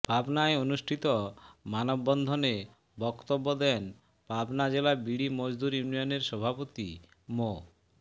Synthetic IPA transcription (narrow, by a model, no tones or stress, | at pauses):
b̥ʱabnaeonuʃʈʰit̪ɔmanɔbːɔnd̪ʱɔne | bɔkt̪obːɔd̪ɛn | b̥abnad͡ʑelabiɽimɔd͡ʑd̪uɾjunijɔneɾʃɔbʱapot̪i | mo